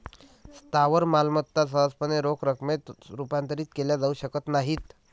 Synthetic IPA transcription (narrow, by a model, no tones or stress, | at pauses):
st̪aʋəɾmalmət̪ːas̬əɦəspəneɾokɾəkmet̪ɾupant̪əɾiːt̪keljad͡zauɕəkət̪naɦiːt̪